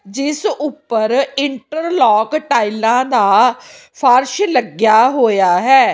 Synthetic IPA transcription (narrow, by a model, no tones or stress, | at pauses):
d͡ʒɪsʊpːəɾɪɳʈəɾlɔːkʈaːilãːd̪aː | pʰəɾʃləɡjaːɦoːjaːɦɛː